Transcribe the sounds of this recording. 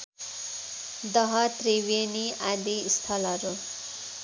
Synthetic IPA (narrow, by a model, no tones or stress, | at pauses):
d̪ʌɦʌt̪riweniad̪iːst̪ʰʌlʌɾu